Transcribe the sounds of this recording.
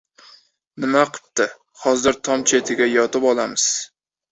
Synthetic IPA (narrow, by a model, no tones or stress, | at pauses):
nɪmaqʰɨ̥p̚t̪ɪ | hɒzɪɾt̪ʰɒmt͡ʃʰe̞t̪ʰɪɡʲajɒt̪ɪpɒlˠamɪz̥